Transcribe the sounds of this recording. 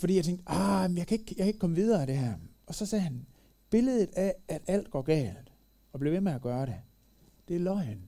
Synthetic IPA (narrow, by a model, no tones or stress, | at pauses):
fɒdḭːjɑt͡sʰeŋɡd̥ɑmnjɑ̈ɪkʰæe̝ɡ̥jɑakʰæe̝ɡ̥̚kʰɒ̽məʋið̞ˠɐæɾ̥e̝ɦæɐ | ɒ̽sɒ̽sɛːhæn | b̥e̝ləðˠð̩ˠææd̥æl̰d̥̚ɡ̥ɒːɡ̥ɛ̰ːld̥ | ɒ̽b̥le̝ʋemeæɡ̥ɶːɐɾe | d̥e̝æɐlɒɪn